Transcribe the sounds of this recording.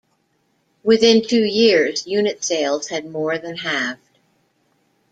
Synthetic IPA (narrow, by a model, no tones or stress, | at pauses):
wɪθɪ̃ntʰʉjɪɹzjʉnɨtseɪlˠz̥ɨd̚mɔɹðɨ̃nɦæfd̥